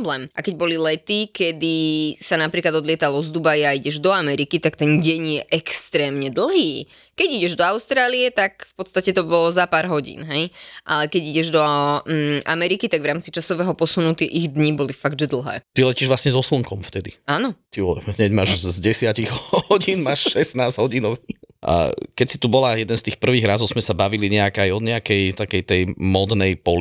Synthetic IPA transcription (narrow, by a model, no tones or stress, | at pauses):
blɛːmʔakɛɟbɔlilɛt̪ikɛd̪isanapɾiːklad̪ɔd̪lɪɛt̪alɔzd̪ubajaiɟɛʒd̪ɔamɛɾikit̪akt̪ɛnɟɛɲjɛʔɛkst̪ɾɛːmɲɛd̪l̩ˠɦiː | kɛɟiɟɛʒd̪ɔaʊst̪ɾaːliɛt̪akfpɔt̪st̪acɛt̪ɔbɔlɔzapaːɾɦɔɟḭːnɦɛjʔa̰lɛkɛɟiɟɛʒd̪ɔ | amɛɾikit̪aɡʋɾaːmt͡sit͡ʃasɔʋɛːɦɔpɔsunucɪɛʔiɣd̪ɲibɔlifaɡd̪ʒɛd̪l̩ˠɦɛ̰ːt̪ilɛciːʒʋlˠasɲɛzɔsl̩ˠŋkɔmft̪ɛd̪iaːnɔt̪iɔɦɲɛɟmaːʒzɟɛsɪaciɣhɔɟiːnmaːʃʃɛsnaːzɦɔɟiːnɔʊiʔa̰kɛcsi̥t̪ubɔlajɛd̪ɛnst̪iːxpr̩ʋiːɣɾazɔʊzmɛsabaʋiliɲɛakajɔɲɛakɛjt̪akɛjt̪ɛjmɔd̪nɛjpɔli